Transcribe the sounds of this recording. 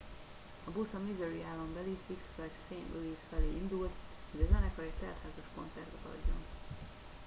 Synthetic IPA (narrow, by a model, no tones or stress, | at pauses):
ɒbusɒmizøɾiaːlːombɛlisiksflɛkseːnʔulisfɛleːind̪ult̪hoɟɒzɛnɛkɒect̪ɛːt̪haːzoʃko̞̰nt̪sɛrt̪ɛt̪ɒ̰ɟːo̞̰n